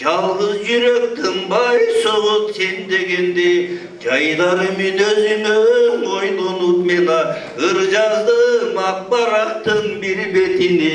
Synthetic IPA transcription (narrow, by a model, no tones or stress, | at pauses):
ʒɑlˠʁəzʒʏɾekt̪ʰəmbɑjsoʁət̪send̪e̞ɡʲend̪e | ʒɑjd̪ɑɾəmenøzɪnenojnonut̪menɑ | əɾʒɑɾd̪əmɑqbɑɾɑq̚t̪əŋbiɾbet̪ine